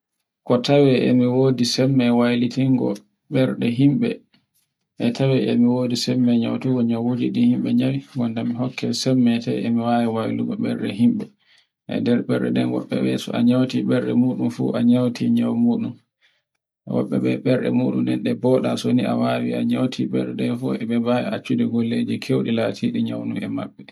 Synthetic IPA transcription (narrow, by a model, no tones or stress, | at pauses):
kɔtawɛʔemiwoːdisɛmːɛwajlitiŋɡɔ̰ | ɓɛɾɗɛɦimɓɛ | ʔɛtʰawɛʔemiwodisɛmːɛɲawtuɡɔɲawwod͡ʒiɗihimɓɛɲawiɡɔndamiɦɔkːɛsɛmːɛtɛ̰ʔemiwawiwajliɡɔɓɛɾɗɛɦimɓɛ | ʔɛ̰dɛɾɓɛɾɗɛ̰ɗɛnwɔ̰ɓːɛ̰ɓɛsɔaɲawtiɓɛɾɗɛ̰muːɗumfṵʔaɲawtʰiɲawmuːɗum | wɔ̰ɓːɛɓɛɓɛɾɗɛ̰muːɗumnɛ̰nɗɛbɔːɗa̰sonia̰wawiaɲawtʰiɓɛɾɗɛɗɛnfuɛɓɛbawḭat͡ʃːudiɡolːed͡ʒikʰewɗilatʰiɗiɲawnṵmɛmaɓːɛ